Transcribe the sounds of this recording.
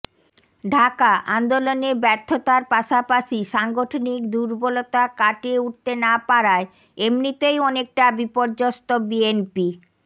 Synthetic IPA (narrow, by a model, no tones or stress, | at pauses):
ɖʱakaʔand̪olonebɛɾt̪ʰːot̪aɾpaʃapaʃiʃaŋɡoʈʰonikd̪uɾbolot̪akaʈeuʈ̚t̪enapaɾae | emnit̪ejɔnek̚ʈabipoɾd͡ʑost̪obienpi